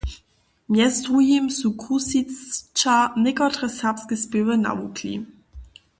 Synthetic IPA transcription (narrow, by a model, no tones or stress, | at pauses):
mjɛstʁujimsukʰusit͡st͡ʃanɪkɔtʁɛsapskəspevəna̰wukʰlḭ